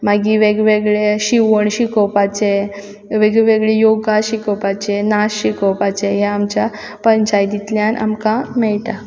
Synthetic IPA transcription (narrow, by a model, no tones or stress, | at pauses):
maɡiʋeɡʋeɡɭeɕiʋəɳɕikɔwpat͡ɕe | ʋeɡɭeʋeɡɭejoɡaɕikɔpat͡ɕenaɕːikəwpat͡ɕeɦeamt͡ɕa | pəɲt͡ɕajd̪it̪ljãnʔa̰mkãmɛjʈ̪a